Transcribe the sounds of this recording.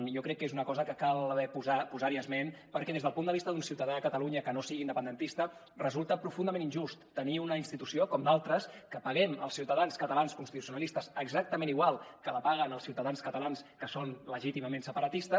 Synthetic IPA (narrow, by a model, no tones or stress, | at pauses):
njɔkɾɛkːezunəkɔzəkəkalβɛpuzapuzaɾiəzmenpəɾkɛðezðəlˠpund̪əβist̪əðunsiwt̪əðaːkət̪əluɲəkənosiɣiːnd̪əpənd̪ənt̪ist̪ə | rəzulˠt̪əpɾufund̪əmeninʒust̪ːəniunəinst̪it̪usiokɔmd̪alˠt̪ɾəskəpəɣɛmə̰lˠsiwt̪əðanskət̪əlanskunst̪it̪u̥siunəlist̪əzəɡzak̚t̪əmẽniɣwalˠkələpaɣ̞ənəlˠsiwt̪əðanskət̪əlanskəsonləʒit̪iməmensəpəɾət̪ist̪ə